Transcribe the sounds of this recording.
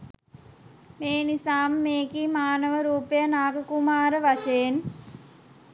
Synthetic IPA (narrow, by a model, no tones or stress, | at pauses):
meːnisaːmːeːkimaːnəʋəɾuːpəjənaːɡəkumaːɾəʋaʃeːn